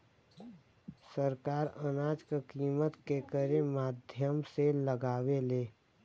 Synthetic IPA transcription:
səɾkaːɾənaːd͡ʒkəkiːmət̪kekəɾẽmaːd̪ʱjəmseləɡaːweleː

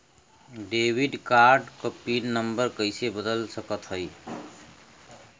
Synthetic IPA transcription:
ɖewiɖkaɾɖkəpinnəmbəɾkəɪsebəd̪əlsəkət̪ɦəɪ

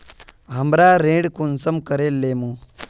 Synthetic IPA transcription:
ɦɐmɾaːɾẽːɽkunsɐmkəɾeːlːeːmu

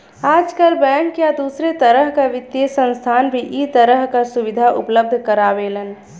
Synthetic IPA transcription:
aːd͡ʒkəlbɛ̃ːŋkjad̪uːsɾet̪əɾəɦkaʋɪt̪ːjesə̃nst̪ʰaːnbʱiʔit̪əɾəɦkasuʋɪd̪ʱaʔʊ̰pləb̚d̪ʱkəɾaːʋelən

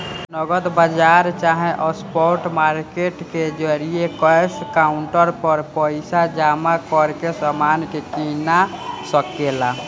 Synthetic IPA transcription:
nəɡəd̪bad͡ʒaɾt͡ʃaɦẽʔəspɔɾʈmaɾkeʈked͡ʒəɾijekəjskauɳʈəɾpəɾpəɪsad͡ʒamakɔɾkesamankekinasəkela

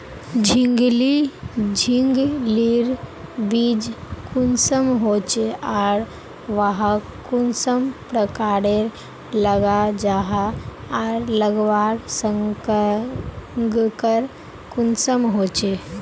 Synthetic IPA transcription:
d͡ʒʱĩŋɡlid͡ʒʱiŋɡliɾbid͡ʒkunsəmɦot͡ʃeaːɾ | ʋaɦa | kunsəmpɾəkaːɾeɾ | ləɡad͡ʒaːɦaaɾləɡʋaːɽsəŋkə | ŋɡkəɾ | kunsəmɦoːt͡ʃe

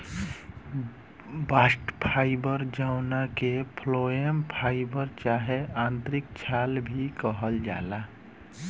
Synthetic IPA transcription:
basʈpʰaibəɾd͡ʒaʊnakepʰloempʰaibəɾt͡ʃaɦeãnt̪ɾik̚t͡ʃʰalbʱikəɦəld͡ʒa̰la

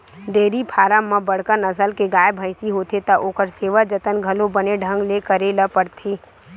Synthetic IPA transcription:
ɖeːɾipʰaːɾamɐ̃bɐɽ̤kənɐsəlkeɡaːjəbʱəɪsiɦoːt̪ʰet̪ɐʔoːkəɾseːʋad͡ʒət̪ənɡʱɐlõbɐneɖʱə̃ŋɡleːkəɾeləpəɾt̪ʰiː

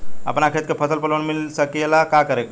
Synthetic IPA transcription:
a̰pənakʰet̪kepʰəsəlpəlʋənmilsəkelakakəɾek

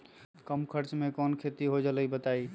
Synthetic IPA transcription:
kəmkʰəɾt͡ʃmekɔnkʰet̪iɦod͡ʒələibət̪ai

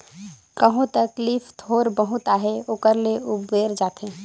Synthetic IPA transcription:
kəɦõt̪əklifʰt̪ʰoːɾbəɦut̪aɦeoːkəɾleubeɾd͡ʒaːt̪ẽ

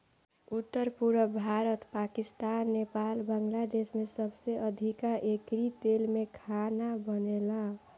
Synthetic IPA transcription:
ut̪ːəɾpuɾəbʱaɾət̪pakist̪anːepalbəŋɡlad̪esmesʌbseʌd̪ʱikaʔekɾit̪elmekʰanabʌnela

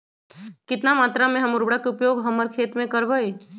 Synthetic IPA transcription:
kɪt̪namaːt̪ɾamẽɦɐmʊɾbɽakeʊpjoːɡɦəməɾkʰeːt̪mẽkəɾbəe

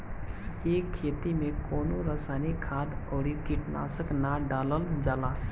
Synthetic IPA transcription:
eːkʰːeːt̪imẽkoːnuɾəsaːnikʰaːd̪oːɽikiʈna̰ːsəknaɖaːləld͡ʒaːlaː

